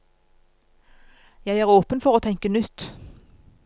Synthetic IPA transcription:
jæɪæːʁoːpənfɔʁoːt̪ʰɛŋkənʏt̪

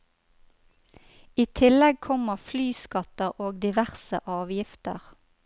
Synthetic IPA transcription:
iːt̪ʰɪlɛɡ̚kʰɔməflyːskɑt̪əʁoːɡd̪ɪʋæʁsə̰ʔɑːʋjɪft̪ə̰ʁ

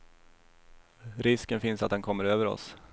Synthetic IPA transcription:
ɾɪskənfɪnsat̪̚d̪ɛnkʰɔmːəɾøːvəɾɔ̰s

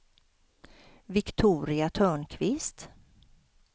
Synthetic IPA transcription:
vɪkt̪ʰuːɾɪat̪ʰœːɳkʰvɪst̪

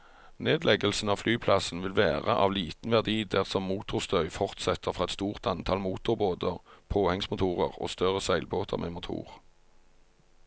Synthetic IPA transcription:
neːd̪lɛɡəlsn̩ɑːʋflyːpʰlɑsn̩ʋɪlʋæːʁəʔɑ̰ːʋliːt̪n̩ʋɛʁd̪iːd̪æʁsɔmːuːt̪ʊʁst̪ʰœʏfɔʁt̪sɛt̪ʰəʁfʁɑːɛt̪st̪uːʁt̪ɑnt̪ʰɑlmuːt̪ʊʁboːd̪əpʰoːhɛŋsmʊt̪ʰuːʁə̰ʁo̰ːst̪œʁəsæɪlboːt̪ʰə̰ʁmʔḛːmʊt̪ʰṵːʁ

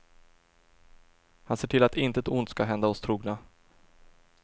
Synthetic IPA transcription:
hanseːʈʰɪlat̪ɪnt̪əɛt̪ʊnt̪skaɦɛnd̪aɔst̪ʰɾuːɡna

